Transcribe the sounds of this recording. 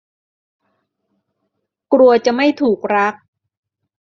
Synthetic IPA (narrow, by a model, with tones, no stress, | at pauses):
kɾu˧ɐt͡ɕa˨˩ma˥˩jt̪ʰuː˨˩k̚ɾa˦˥k̚